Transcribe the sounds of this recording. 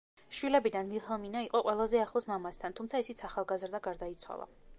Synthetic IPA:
ʃwilɛbid̪anmihɛlˠminaiqʼɔqʼwɛlˠazɛaχlˠɔsmamast̪ʰant̪ʰumt̪sʰaisit̪sʰaχalˠɡazɾd̪aɡaɾd̪ait̪sʰwa̰lˠa̰

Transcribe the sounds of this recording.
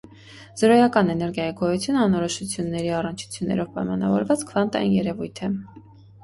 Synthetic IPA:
z̥əɾɔjɑkɑnɛnɛɾɡjɑjiɡɔjut͡sʰjunəɑnɔɾɔʃut͡sʰjunːɛɾiɑrənt͡ʃʰu̥t͡sʰjunːɛ̰ɾɔvpɑjmɑnɑ̰vɔɾvɑt͡skʰvɑnt̪ɑ̰jinjɛɾɛvujt̪ʰɛ

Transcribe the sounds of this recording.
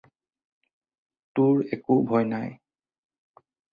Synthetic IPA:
tʊɹɛkobʱɔjnaj

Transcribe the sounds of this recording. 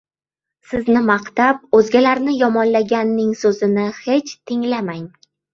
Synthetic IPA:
sɪznɪmaqt̪ap̚ɵzɡʲalaɾnɪjɒmɒnlaɡʲanːɪŋsɵzɪnɪhe̞t͡ʃt̪ʰɪŋlamaŋ

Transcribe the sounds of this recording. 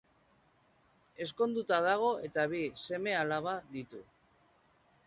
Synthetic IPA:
e̞sko̞nd̪ut̪að̞aɣ̞o̞e̞t̪aβise̞me̞alaβ̞aðit̪u

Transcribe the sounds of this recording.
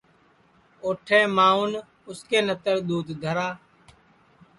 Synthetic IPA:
oːʈʰẽːmaːʊn | ʊskeːnət̪əɾd̪uːt̪d̪ʱəɾaː

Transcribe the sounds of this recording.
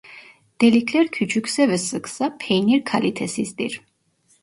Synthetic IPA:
d̪̥ɛlikʰlɛɾkʰyt͡ʃʰukʰsɛvɛsəksapʰɛjniɾkʰalit̪ʰɛsist̪ʼḭɾ

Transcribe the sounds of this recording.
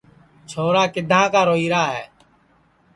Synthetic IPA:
t͡ʃʰoːɾaːkɪd̪ʱãːkaːɾoːiːɾaːɦɛː

